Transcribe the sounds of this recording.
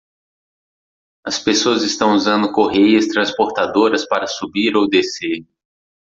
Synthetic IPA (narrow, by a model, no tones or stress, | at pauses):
ɐspesoɐzɪst̪ɐ̃w̃uzɐ̃nd̪ʊkoɦejɐst̪ɾɐ̃spoɾt̪ad̪oɾɐspaɾɐsubiɾowd̪ese